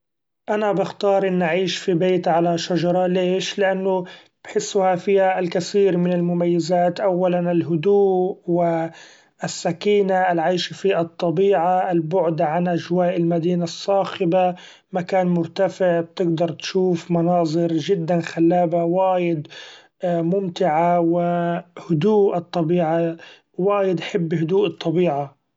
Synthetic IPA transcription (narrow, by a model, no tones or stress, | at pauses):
ʔanabɪxt̪ɑːɾˤʔɪnːʔaʕiːʃfibeːt̪ʕalaʃad͡ʒɑɾˤɑleːʃlɪʔanːʊ | b̥ħɪsːʊhafiːhalkaθiːɾmɪnɪlmʊmajːɪzaːt̪ʔawːalanɪlɦʊd̪uːwɪ | ɪsːakiːnaɪlʕaːʃfiʔɨt̪ˤːɑbiːʕaɪlbʊʕd̪aʕanʔaʒwaːʔɪlmad̪iːnasˤːɑːxɪba | makaːnmʊɾt̪afɪʕb̚t̪ɪɡd̪ɑɾˤt̪ʃuːfmɑnɑːzˤɨɾʒɪd̪ːanxalːaːbawaːjɪd̪ | mʊmt̪ɪʕawɪhʊd̪uːʔɨt̪ˤːɑbiːʕa | waːjɪd̪ʔħɪbːhʊd̪uːʔɨt̪ˤːɑbiːʕa